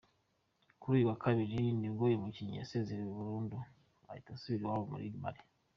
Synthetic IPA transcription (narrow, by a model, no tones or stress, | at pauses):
kuɾuːjuwakʰaβiɾiniɡojemuciɲia̰seːzeɾiweβuɾuːndu | a̰itasuβiɾiwaβomṵɾḭɡima̰ɾe